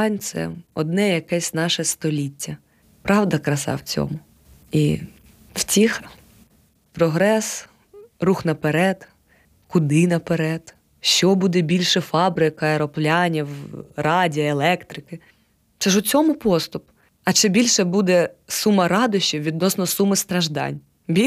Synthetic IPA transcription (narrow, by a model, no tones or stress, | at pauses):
ɑnʲt̪sɛ̰ɔd̪nɛjɐkɛsʲnɑʃɛst̪ɔlʲitʲːɐ | pɾɑwd̪ɐkɾɐsɑ̰wt͡sʲɔ̰mʊ | i | w̥tʲix | pɾɔɦɾɛs | ruxnɐpeɾɛd̪ | kʊd̪ɪnɐpeɾɛd̪̥ | ʃt͡ʃɔbud̪ɛbʲilʲʃɛfɑbɾɪkɐeɾɔplʲɑnʲiwrɑdʲiɐelˠɛkt̪ɾɪkɪ | t͡ʃɐʒʊt͡sʲɔmʊpɔst̪ʊp | ɐt͡ʃɪbʲilʲʃɛbud̪ɛsumɐɾɑd̪ʊʃt͡ʃiʋʲid̪̚nɔsnɔsumɪst̪ɾɐʒd̪ɑ̰nʲ | bʲi